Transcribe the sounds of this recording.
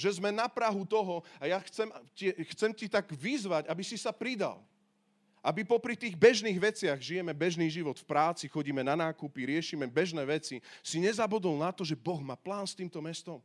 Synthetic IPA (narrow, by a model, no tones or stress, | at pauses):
ʒɛzmɛnapɾaɦut̪ɔɦɔajaxt͡sɛmcixt͡sɛmcit̪aɡʋizʋaɟabisisapɾid̪a̰l | ʔabipɔpɾit̪iːɣbɛʒniːɣʋɛt͡sɪaɣʒijɛmɛbɛʒniːʒiʋɔt̪fpɾaːt͡sixɔɟiːmɛnanaːkupiɾɪɛʃimɛbɛʒnɛːʋɛt͡sisiɲɛzabud̪ɔlnat̪ɔʒɛbɔɣmaːplaːnst̪iːmt̪ɔmɛst̪ɔm